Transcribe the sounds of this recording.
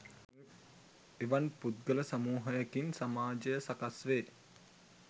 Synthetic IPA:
eʋanput̪̚ɡələsamuːɦəjakinsamaːd͡ʒəjəsakasʋeː

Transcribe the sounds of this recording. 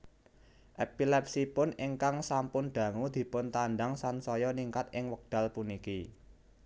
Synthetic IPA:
ʔɛpilɛp̚sipʊnɪŋkaŋsampʊnɖ̪̥ä̤ŋud̪̥i̤pʊnt̪anɖaŋsansɔjɔniŋkat̪̚ʔɪŋwək̚d̪̥ä̤lpuniki

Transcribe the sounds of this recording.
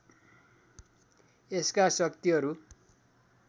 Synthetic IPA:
eskasʌkt̪iɦʌɾu

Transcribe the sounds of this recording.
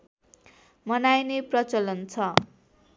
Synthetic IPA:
mʌnajneprʌt͡sʌlʌnt͡sʰʌ

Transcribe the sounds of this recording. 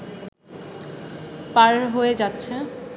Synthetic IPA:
paɾɦoed͡ʑatːɕʰe

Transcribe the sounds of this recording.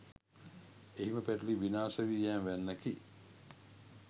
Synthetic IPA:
eɦiməpæʈliʋinaːsəʋiːjæːnʋænːəki

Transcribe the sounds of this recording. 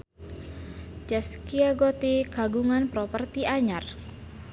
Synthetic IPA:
d͡ʒaskiaɡot̪iɡaɡuŋanpɾɔpərt̪iʔaɲar

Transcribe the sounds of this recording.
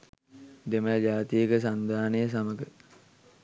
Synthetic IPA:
d̪eməjd͡ʒaːt̪ijəkəs̬and̪ʱaːnəjəs̬aməɡə

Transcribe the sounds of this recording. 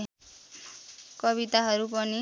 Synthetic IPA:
kɔβit̪aɦɔɾupɔni

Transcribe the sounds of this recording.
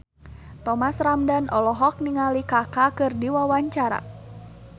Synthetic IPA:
t̪ɔmasramdanʔɔlɔɦɔk̚niŋalikakakɨrdiwawaɲt͡ʃaɾa̰

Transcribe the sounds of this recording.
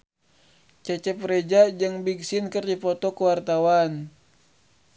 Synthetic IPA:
t͡ʃɛt͡ʃɛpɾed͡ʒad͡ʒəŋbiɡsinkərdipɔt̪ɔkuwart̪awan

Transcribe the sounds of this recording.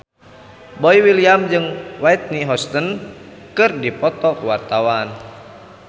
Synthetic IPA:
bɔiwiliamd͡ʒɨŋwajt̪̚niɦɔst̪ən | kɨrdipɔt̪ɔkuwart̪awan

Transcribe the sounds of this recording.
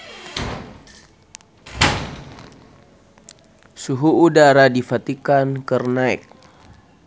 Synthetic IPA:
suɦuudaɾadifat̪ikankərnaɛ̰k̚

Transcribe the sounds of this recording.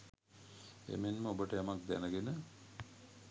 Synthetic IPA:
ḛmenməobəʈəjamak̚d̪ænəɡenə

